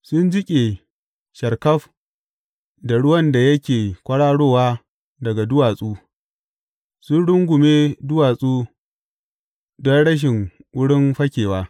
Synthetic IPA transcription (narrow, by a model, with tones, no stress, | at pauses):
sʊ˦nd͡ʒɪ˦kʲʼe˨ | ʃɐ˨rkɐ˦ɸ | da˨ɽʊ˦wɐ˦nda˨jɐ˦kʲeː˨kʷʼɐ˦ɽaː˦ɽoː˦waː˦ | dɐ˨ɡa˨dʊ˦waː˨sʼuː˦ | sʊ˦nɽʊ˦ŋɡʷʊ˨meː˦dʊ˦waː˨sʼuː˦ | dɔ˦nɽɐ˦ʃ̬ɪ˨ŋʔʊ˦ɽɪ˦mɸɐ˦kʲeː˨waː˦